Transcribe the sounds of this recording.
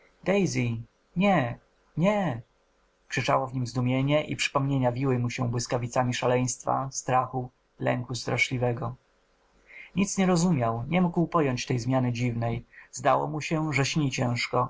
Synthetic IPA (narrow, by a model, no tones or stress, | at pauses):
d̪̥ɛjzʲi | ɲɛ | ɲɛ | kʂɘt͡ʂa̰wɔvɲimzd̪umʲjeɲɛʔḭpʂɘ̥pɔmɲeɲavʲiwɘmuɕɛ̃bwɘskavʲit̪samʲiʂalɛj̃st̪fa̰st̪ɾaxu | lɛ̰ŋkust̪ɾaʂlʲivɛɡɔ | ɲit̪sɲɛɾɔzumʲjawɲɛmuɡwpɔjɔɲt͡ɕt̪ɛjzmʲjanɘd͡ʑivnɛjzd̪awɔ̰muɕɛʐɛɕɲit͡ɕɛ̃w̃ʂkɔ